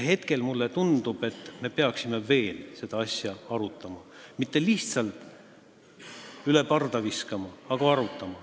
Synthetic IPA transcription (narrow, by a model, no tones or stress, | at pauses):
ɦe̞t̪ke̞lmulːet̪und̪̥ub̥e̞t̪ˑːme̞pe̞ɑksime̞ve̞ːlse̞d̪̥ɑɑsjɑɑɾut̪ːˑɑmɑ | mit̪ːe̞liht̪sɑlt̪ˑ | yle̞pɑrd̪ɑviskɑmɑːɡ̥ɑɑɾut̪ːˑɑmɑ